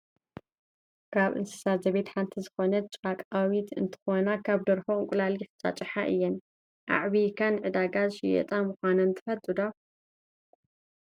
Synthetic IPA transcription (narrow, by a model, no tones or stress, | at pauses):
kʰaβʔɨ̰nsɨ̥sat̪zɐβet̪ħant̪ʰizɨxonɐt͡ʃʼakʼawit̪ʰɨ̰nt̪ʰɨ̥xonakʰaβd̪ɐɾfoɨŋkʼʊlalixɨ̥t͡sʼa̰t͡ʃʼɨħaʔɨ̰jːɛn | ʔa̰ʕβikʰɐnʕɨd̪aɡazʃɪjɛ̰t̪ʼamuxʷanɐɨnt̪ʰɨ̥fɐt̪ʼɨd̪a